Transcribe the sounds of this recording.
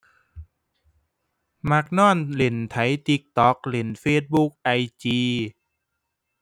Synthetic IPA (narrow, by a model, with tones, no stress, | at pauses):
ma˧˩k̚nɔː˥˩nle˨˩˦nt̪ʰa˨˩˦jt̪i˧˦˥k̚t̪ɔː˨˦˥k̚le˩˦nfeː˧˥˩t̪̚bu˧˥k̚ʔa˧jt͡ɕiː˧